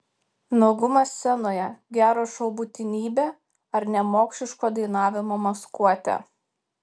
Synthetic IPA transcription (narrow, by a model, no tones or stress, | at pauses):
noɡʊmɐsʲsʲɛnoːjɛɡʲæːɾoːʃɐʊbʊt̪ʲɪnʲiːbʲeː | ɐɾnʲɛmoːksʲlʲɪʃkoːd̪ɐɪnɑːʋʲɪmoːmɐskuɔt̪ʲɛ̰